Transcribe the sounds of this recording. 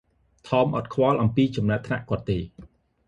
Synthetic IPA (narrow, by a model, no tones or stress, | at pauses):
t̪ʰɑːmʔɑt̪̚kʰwɑlʔɑmpiːt͡ɕɑmnaəp̚t̪ʰna̰ʔkŏət̪ːeː